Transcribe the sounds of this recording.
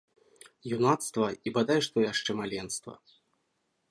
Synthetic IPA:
junat̪st̪vɐibad̪ajɛʂt̪ɔjaʂt͡ʂɛmalʲɛnst̪vɐ̰

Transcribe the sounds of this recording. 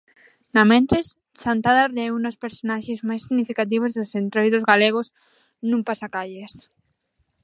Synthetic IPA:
namẽnt̪ɾes | t͡ʃant̪aðareunospeɾsonaʃezmajsiɣnifikat̪̬iβozðosent̪ɾojðozɣaleɣos | nũmpasakaʎes

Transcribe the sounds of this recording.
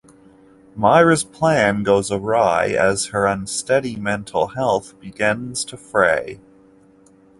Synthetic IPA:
maɪɹɨz̥pʰl̥æ̃nɡoʊzəɹaɪɨz̥ə˞ʌ̃nstɛɾimɛ̃ntʰˡl̩ˠhɛlˠθb̥ɨɡɪ̃nz̥tʰɨfɹeɪ

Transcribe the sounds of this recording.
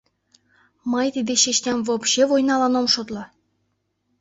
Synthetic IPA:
mɤjt̪id̪eɕeɕnʲemʲvopɕevojnɑlˠɑnomʃot̪lˠɤ

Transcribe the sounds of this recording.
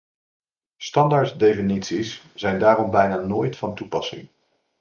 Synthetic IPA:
stɑndaɹtdejfinitsis | z̥ɛjndaːɾɔmbɛjnaːnoːjtfɑntupɑsɪ̰ŋ

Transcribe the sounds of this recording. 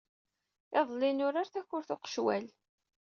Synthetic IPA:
ɪðˤlɪnʊɾaɾθæçːʊɾθʊqə̥ʃwæ̰l

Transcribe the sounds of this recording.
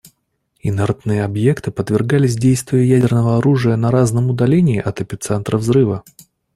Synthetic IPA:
ɪnɛrt̪nɨjəɐbje̞kt̪ɨpət̪vʲɪrɡalʲɪsʲdʲejst̪vʲɪjəjædʲɪrnəvəɐɾuʐɨjənɐɾaznəmʊd̪ɐlʲenʲɪːʔɐt̪əpʲɪt̪sɛnt̪ɾʔəvzɾɨvə

